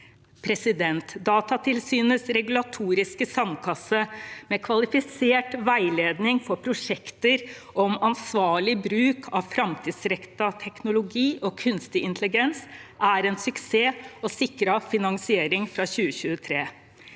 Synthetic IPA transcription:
pʰɾɛsɪd̪ɛnt̪d̪ɑːt̪ɑt̪ʰɪlsyːnəsɾɛɡʉlɑt̪ʰuːɾɪskəsɑnkʰɑsːəmɛkʰʋɑlɪfɪseːʈʋæɪleːd̪nɪŋfɔɾpʰɾʊʂɛkt̪əɾ | ʔɔmɑnsʋɑːɭɪbɾʉːkʰɑʋfɾɑmt̪ʰiːd̪sɾɛkt̪ɑt̪ʰɛknʊlʊɡiːʔɔkʰʉnst̪ɪɪnt̪ʰlɪɡɛnsʔæɾɛnsʉkseːɔsɪkɾɑfɪnɑŋsɪeːɾɪŋfɾɑɕʉːəçʉːət̪ʰɾeː

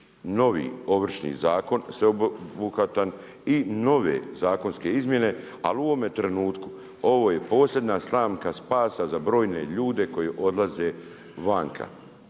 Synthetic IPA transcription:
no̞ʋḭːo̞ʋr̩ʃnḭzaːko̞nseobuxat̪an | ino̞ʋḛzaːko̞nske̞izmje̞ne̞ | a̰luʋo̞met̪ɾenuːt̪ku̥ | o̞ʋo̞ːje̞po̞ːslʲjed̪naslˠaːmkaspaːsazabɾo̞ːjne̞ʎuːd̪e̞ko̞jeʔo̞d̪lˠaze̞ | ʋaːŋkʰa̰

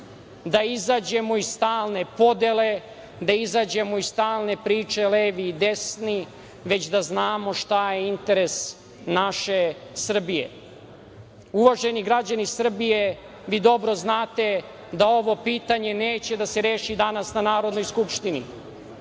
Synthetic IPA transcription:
d̪aizaːd͡ʑemoisst̪aːlˠne̞po̞d̪ele̞ | d̪aizaːd͡ʑe̞moisst̪aːlˠne̞pɾiːt͡ʂe̞leːʋiːd̪e̞sni | ʋe̞t͡ɕd̪aznaːmo̞ʂt̪ajeint̪e̞ɾes | naʃe̞sr̩bijḛ | uʋaʒe̞niɡɾad͡ʑanisr̩bije̞ | ʋid̪o̞bɾo̞znaːt̪e̞ | d̪ao̞ʋo̞piːt̪aɲe̞neːt͡ɕe̞d̪ase̞ɾe̞ːʃid̪anasnanaːɾod̪no̞jskupʃt̪inḭ

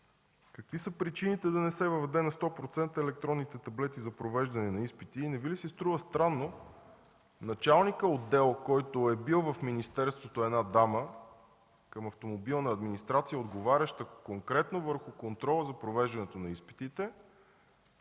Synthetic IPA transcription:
kəkvisəpɾit͡ʃinit̪ɛd̪ɐnɛsɛvəvɛd̪ɛnɐst̪ɔpɾot̪sɛnt̪əɛlɛk̚t̪ɾɔnːit̪ɛt̪ɐblɛt̪izɐpɾovɛʒd̪ɐnɛnɐispit̪iːnɛvilisist̪ɾuvəst̪ɾanːo | nɐt͡ʃalˠnikəod̪ːɛlˠkɔjt̪oɛbilˠvɐfminist̪ɛɾst̪vot̪oɛnad̪amə | kəmɐft̪omobilˠnəɐd̪minist̪ɾat̪sijəod̪ɡovaɾʲɐʃt̪əkoŋkɾɛt̪novəɾxʊkont̪ɾɔlˠəzɐpɾovɛʒd̪ɐnɛt̪onɐispi̥t̪it̪ɛ

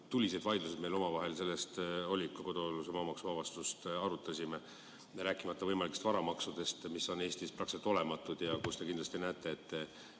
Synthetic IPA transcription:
t̪ulʲːise̞d̪vɑjd̪lus̬ed̪me̞jlo̞mɑvɑɦe̞lse̞lːest̪o̞lʲːikːˑoko̞d̪̥olːusemɑːmɑksuvɑvɑst̪ust̪ɑɾut̪ːˑɑsime | ɾæːkːˑimɑt̪ːˑɑvɤjmɑlikːˑest̪vɑɾɑmɑksud̪̥e̞st̪misːo̞ne̞ːst̪isprɑkset̪ːˑo̞le̞mɑt̪ːˑud̪̥jɑkust̪e̞kind̪lɑst̪inæːt̪ːˑe̞ːt̪ː

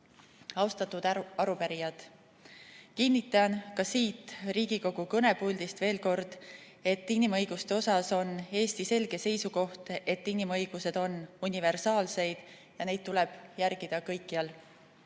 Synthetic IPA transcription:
ɑwst̪ɑt̪ːˑud̪̥ɑɾupæɾijɑd̪̥ | kinːit̪ːˑɑnkɑsiːt̪ːˑriːɡ̥iko̞ɡ̥ukɤne̞bulʲd̪̥ist̪ve̞ːlko̞rd̪̥ | e̞t̪ːinimɤjɡ̥ust̪e̞o̞sɑso̞ne̞ːst̪ise̞lɡ̥e̞se̞jsuko̞ht̪e̞t̪ːˑinimɤjɡ̥use̞d̪̥o̞nunʲive̞rsɑːlse̞jd̪̥ | jɑne̞jd̪̚t̪ulɛb̥jæɾɡ̥id̪̥ɑkɤ̞jkˑːiɑl

